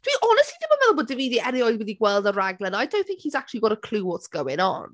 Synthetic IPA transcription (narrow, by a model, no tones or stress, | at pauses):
tʰwiʔɔnəstlidibamɛðʊboːdɪviːðiʔɛɾiɔjðwɪðiɡwɛlˠdəɹaɡlˠənajdəw̃nθɪ̃ŋkhizak̚t͡ʃəlˠiɡɔɾəkʰl̥uːwɔtsɡ̥əwɪnɔ̰n